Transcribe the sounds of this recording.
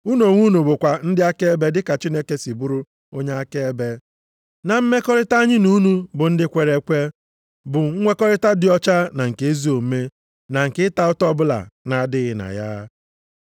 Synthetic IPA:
u˦no˨ŋʷu˦nu˨bʊ˨kʷa˨n̩˦dɪ˦a˦ke˦e˦be˦dɪ˦ka˨t͡ʃi˦ne˦ke˦si˨bu˦ɾu˦ | o˦ɲe˦a˦ke˦e˦be˦ | na˨m̩˦me˦kɔ˦ɾɪ˦ta˦ɲɪ˦nu˦nu˦bʊ˨n̩˦dɪ˦kʷe˨ɾe˦kʷe˦ | bʊ˨ŋ̩˦ŋʷe˦kɔ˦ɾɪ˦ta˦dɪ˦ɔ˦t͡ʃa˦na˨ŋ̩˨ke˦e˦zi˦o˨m˦me˦ | na˨ŋ̩˨kɪ˦ɪ˦ta˨ʊ˦tɔ˦bʊ˦la̰˨na˨˦dɪ˦ɣɪ˨na̰˨ja̰˦

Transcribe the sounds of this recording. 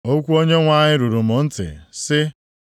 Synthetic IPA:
o˦kʷu˦o˦ɲe˦ŋʷa˦ɲɪ˦ɾu˨ɾu˨mʊ˨n̩˦tɪ̰˨sɪ˦

